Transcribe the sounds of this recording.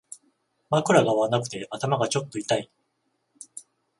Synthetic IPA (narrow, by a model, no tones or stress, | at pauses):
makɯ̟ɾaɡaβanakɯ̟̥t̪e̞ʔat̪amaɡat͡ɕo̞t̪ːo̞it̪ai